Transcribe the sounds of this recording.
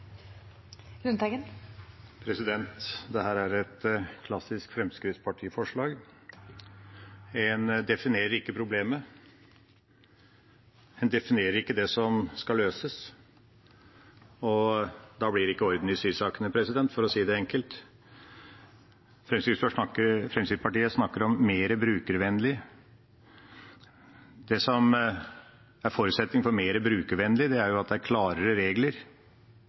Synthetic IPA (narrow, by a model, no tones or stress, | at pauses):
ɡʉnt̪ɛɡən | pʰɾɛsɪd̪ɛnt̪d̪ɛhæːɾæɾɛt̪kʰlɑsɪskfɾɛmskɾɪt̪spʰɑʈʰiːfɔʂɭɑːɡ | ɛnd̪ɛfɪneːɾəɾɪkːəpʰɾʊbleːmə | hɛnd̪ɛfɪneːɾəɾɪkːəd̪ɛsɔmskɑlːøːsəs | ɔd̪ɑblɪɾɪkːəɔɾd̪n̩ɪsyːɾsɑːkənəpʰɾɛsɪd̪ɛnt̪fɔɾɔsiːd̪ɛɛŋkəlt̪ | fɾɛmsɪsfɔʂɳɑkːəɾfɾɛmsɪd̪pʰɑʈiːəsnɑkːəɾɔmːeːɾəbɾʉːkəɾʋɛnːlɪ | d̪ɛsɔm | æɾfoːɾʉt̪sɛt̪nɪŋfɔɾmeːɾəbɾʉːkəɾʋɛnːlɪd̪ɛæɾjʊɑt̪̚d̪ɛæɾkʰlɑːɾəɾəɾeːɡləɾ